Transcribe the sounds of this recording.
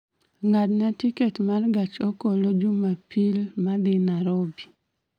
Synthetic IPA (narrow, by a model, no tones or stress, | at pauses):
ŋadnatiketmarɡat͡ʃokolod͡ʒumapilmad̪ɪnaɾobi